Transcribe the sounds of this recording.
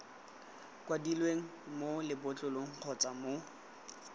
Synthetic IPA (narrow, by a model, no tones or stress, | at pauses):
kʼwadilweŋ̩molɪbʊt͡ɬʼʊloŋ̩q͡χʰɔt͡sʼamo